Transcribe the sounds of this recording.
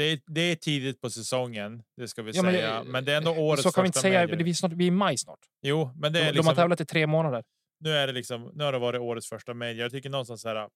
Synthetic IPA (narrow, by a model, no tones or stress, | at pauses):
d̪̥ɛd̪ɛːʈʰiːd̪ɪt̪̚pʰɔsɛsɔŋːənd̪ɛskavɪsjɑːmɛnːamɛnd̪ɛɾɛnd̪oːoːɾəsɔkʰanɪnsɛjːaɛvɪsnɑːʈvɪɛmajsnɑ̰ːʈ | juːmɛnd̪ɛlɪɔkmhaɛːvlat̪ɪt̪ʰɾeːmoːnad̪əɾ | nʉ̟ːæɖɛlɪksɔmnʉːhaɖɔvɑːɾɪt̪oːɾət̪sfœʂʈamed̪əjat̪ʏkːəɳɔnst̪ansɛːɾa